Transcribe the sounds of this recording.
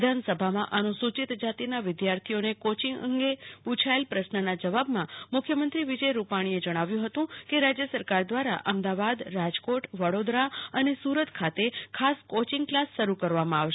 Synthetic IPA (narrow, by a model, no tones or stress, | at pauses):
d̪ʱansəbʱamãʔanũsut͡ʃit̪d͡ʒat̪inaʋɪd̪jaɾt̪ʰijonekot͡ʃɪŋɡə̰ŋɡeput͡ʃʰaelpɾəʃnənad͡ʒəʋabmãmʊkʰjəmənt̪ɾiʋɪd͡ʒəjɾupaɽ̃ied͡ʒəɽ̃aʋjũɦət̪ũkeɾad͡ʒjəsəɾkaɾd̪ʋaɾa̰ʔəmd̪aʋad̪ɾad͡ʒkoʈʋəɽod̪ɾaənesuɾət̪kʰat̪ekʰaskot͡ʃɪŋɡklasʃəɾukəɾʋamãaʋʃe